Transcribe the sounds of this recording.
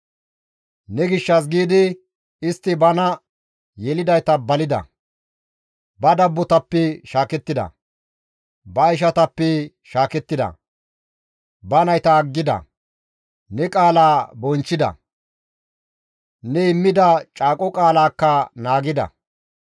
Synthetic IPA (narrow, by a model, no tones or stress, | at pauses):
nɛɡɪʃːɐs̬ɡiːd̪ɪ | ɪst̪ːɪbɐnɐ | jɛlɪd̪ɐjt̪ɐbɐlɪd̪ɐ̰ | bɐd̪ɐbːɔt̪ɐpːɛʃaːkɛt̪ːɪd̪ɐ̰ | bɐɪʃ̬ɐt̪ɐpːɛ | ʃaːkɛt̪ːɪd̪ɐ̰ | bɐnɐjt̪ɐːɡːɪd̪ɐ̰ | nɛkʼaːlaːbɔnt͡ʃːɪd̪ɐ̰ | nɛɪmːɪd̪ɐt͡ʃʼaːkʼɔkʼaːlaːkːɐnaːɡɪd̪ɐ̰